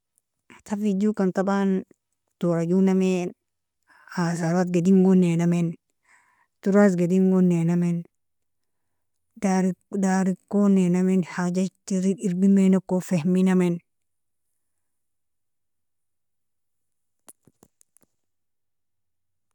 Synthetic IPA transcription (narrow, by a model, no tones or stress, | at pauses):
tafid͡ʒukantaban | toɾad͡ʒuname | hasaɾat̪̚ɡediŋɡonenamen | tuɾas̬ɡediŋɡonenamen | daɾdaɾikːonenamenhad͡ʒatiɾiiɾbimenokofehminamen